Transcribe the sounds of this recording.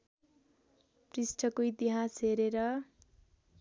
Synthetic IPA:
prisʈʰʌkoit̪iɦasɦeɾeɾʌ

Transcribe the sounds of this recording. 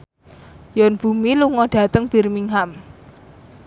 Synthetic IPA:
jɔnb̥ṳmiluŋɔɖ̥ä̤t̪əŋb̥i̤rmiŋɦam

